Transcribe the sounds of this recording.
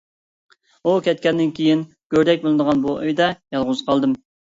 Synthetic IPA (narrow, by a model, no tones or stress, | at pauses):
ukʲʰɛt̪kʲɛnd̪ɪnkʲʰejin | ɡ̥ʲøɾd̪ɛk̚ʲbolˠɨnd̪əʁɑnbuʔøjd̪ɛjɑlˠʁʊzqʰɑlˠd̪ɨm